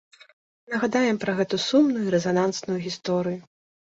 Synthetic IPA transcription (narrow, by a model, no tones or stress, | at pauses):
nɐɣɐd̪ajɛmpɾɐɣɛt̪usumnujuiɾɛzanansnujuɣʲist̪ɔɾɨju